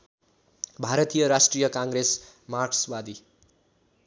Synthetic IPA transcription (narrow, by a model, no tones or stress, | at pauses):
bʱaɾʌt̪ijʌɾasʈrijʌkãŋɡɾes | markswad̪i